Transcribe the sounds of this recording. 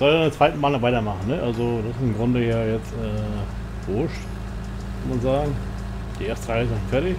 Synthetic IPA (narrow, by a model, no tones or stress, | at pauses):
z̥ɔlndet͡sv̥aɪtn̩maːlnvaɪtɐmaχn̩nəçʔalzod̥asɪsɪmɡʁʊndəjaːjɛt͡stʔɛː | v̥ʊɐʃt | kʰanmanzaːɡŋ̩ | d̥iːʔeːɐstəʁaɪɪsafɛɐtɪç